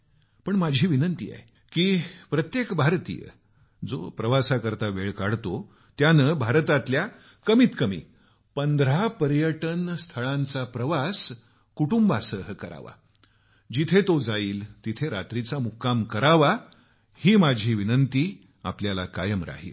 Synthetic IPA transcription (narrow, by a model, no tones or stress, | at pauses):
pəɳmad͡ʑʱiːʋinənt̪ḭːa̰e | kiːpɾət̪jekbʱaɾt̪ḭjə̰ | d͡zo̰pɾəʋasakəɾt̪aʋeɭkaɽt̪o | t̪janəbʱaɾt̪at̪lja | kəmiːt̪kəmḭː | pənd̪ɾapəɾjəʈənst̪ʰəɭãnt͡sapɾəʋas | kuʈumbasəɦəkəɾa̰ʋa̰ | d͡ʑit̪ʰet̪od͡zaiːlt̪it̪ʰeɾa̰t̪ɾit͡samukːamkəɾaʋa | hiːmad͡ʑʱiːʋinənt̪iː | a̰pljala̰ka̰jəmɾa̰ɦḭːl